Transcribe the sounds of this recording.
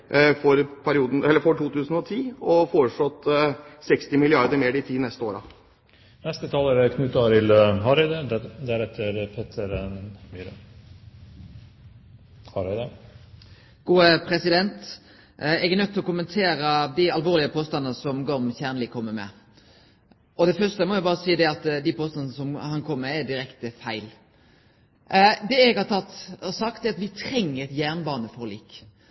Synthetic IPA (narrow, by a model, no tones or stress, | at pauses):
fɔɾpʰæɾɪuːd̪ən̩ɛlːəɾfɔʈʰuːt̪ʉːsn̩ɔt̪ʰiːɔfoːɾəʂɭɔt̪ːsɛkst̪ɪmɪlɪɑɾd̪əmeːɖɪt̪ʰiːnɛst̪əoːɾɑ̰ | nɛst̪ət̪ʰɑːlæɾɛkʰnʉːt̪ɑɾɪlɦɑɾɛd̪əd̪æɾɛt̪ʰːəɾpʰeːt̪ʰəɾmyɾə | hɑɾɛd̪ə | ɡ̥uːəpʰʁɛsɪd̪ɛnt̪ | ɛɡɛʁnœt̪ːɪlɔkʊmːənt̪ʰeːɾəd̪ɪɑlʋoːɾlɪəpʰoːst̪ɑnːəsɔmɡɔmçæʁnlɪkʰːɔmːəmɛ̰ | ɔd̪ɛfœʂtəmɔʋɪbɑːʁəsiːd̪ɛɑt̪d̪ɪpʰoːst̪ɑnnəsɔmhɑnkʰɔmːəɾɛd̪ɪɾɛkt̪əfæɪl | d̪ɛɛɡhɑt̪ʰɑt̪ːsɑkt̪ɛɾɑt̪ʋɪt̪ʰɾɛŋːəɾɛt̪jæʁnbɑːnəfɔʁlḭːk